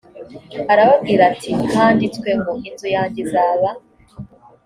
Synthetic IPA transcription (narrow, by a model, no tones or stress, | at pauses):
aɾaβab̚ɡiːɾatʰikaːnditkweŋɡuŋhitujaːɲɟezaβa